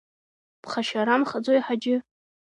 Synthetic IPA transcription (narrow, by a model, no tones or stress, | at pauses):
pʰχaʃaɾamχad͡zojħad͡ʒɪ